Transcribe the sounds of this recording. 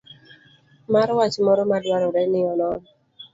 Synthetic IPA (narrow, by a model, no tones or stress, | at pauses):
maɾwat͡ʃmɔɾɔmadwaɾɔɾɛnɪɔnɔn